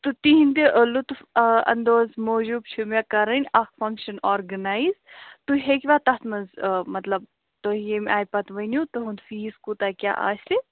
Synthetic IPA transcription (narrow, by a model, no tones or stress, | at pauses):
t̪ut̪iɦind̪iʔlut̪fɐ̰nd̪oːzmoːʒub̚t͡ʃʰumʲakɐɾɐnʲɐkfɐŋkʃɐnaːɾɡɐnaːizt̪uɦekʲʋat̪ɐt̪mɐzmɐt̪lɐb̚ | t̪ojemʲʔaːjpɐt̪ʋɐnʲjut̪oɦund̪fiːskut̪akʲja̰ːʔa̰ːst̪i